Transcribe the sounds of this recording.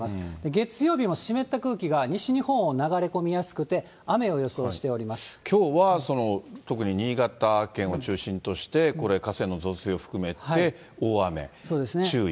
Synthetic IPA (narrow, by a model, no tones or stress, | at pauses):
masɨ̥d̪̥e̞ɡe̞t͡sɨjo̞ːbʲimo̞ɕime̞t̪ːakɯ̟ːkʲiɡaɲ̟iɕiɲ̟ihõ̞ɰ̃o̞naɡaɾe̞ko̞mʲijasɨ̥kɯ̟t̪e̞ | ame̞o̞jo̞so̞ːɕi̥t̪e̞o̞ɾʲimasɨ̥kʲo̞ːβaso̞no̞t̪o̞kɯ̟ɲ̟iɲ̟iːɡat̪akːẽ̞ɰ̃o̞t͡ɕɨːɕĩnt̪o̞ɕi̥t̪e̞ko̞ɾe̞kase̞nːo̞zo̞seo̞ɸɯ̟̥kɯ̟me̞t̪hae̞ | oːame̞̰so̞ːd̪e̞sɨneɨːi